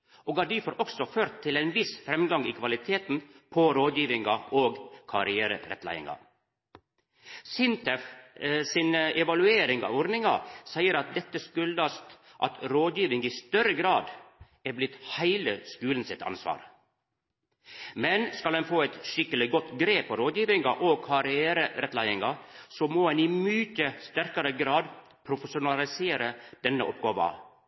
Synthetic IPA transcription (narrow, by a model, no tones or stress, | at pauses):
ʔoːɡɑɖɪfɔɾʔɔksɔføːɾt̪ʰːɪlæɪnʋɪsfɾɛmɡɑŋiːkʰʋɑlɪt̪ʰeːt̪n̩pʰɔɾoːd̪jiːʋɪŋɑoːɡkʰɑɾɪæːɾə̰ɾɛ̰t̪ːlæ̰ɪɪ̰ŋɑ̰ | sɪnt̪ʰɛfsɪnɛʋɑlʉeːɾɪŋɑ̰ʋɔɾnɪŋɑsæɪəɾɑt̪̚d̪ɛt̪ːəskʉlɑst̪ | ʔɑ̰t̪ɾoːd̪jiːʋɪŋiːst̪œɾəɡɾɑːd̪ | æblɪt̪ːhæɪləskʉːln̩sɪt̪ɑ̰nsʋɑ̰ːɾ | mɛnskɑlɛnfoːɛt̪ʂɪkːəlɪɡɔt̪ːɡɾeːpʰːɔɾoːd̪jiːʋɪŋɑʔoːkʰɑɾɪæːɾəɾɛt̪læɪəŋɑsɔmɔɛnɪmyːçəst̪æɾkɑɾəɡɾɑːd̪ | pʰɾʊfəsʊnɑlɪseːɾəd̪̥ɛnːə̰ʔɔpɡoːʋɑ̰